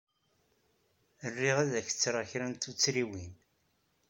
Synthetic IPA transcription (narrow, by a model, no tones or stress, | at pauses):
ərːiʁæðæçə̥t͡sːɾˤaçɾænt̪ut͡sːɾiwin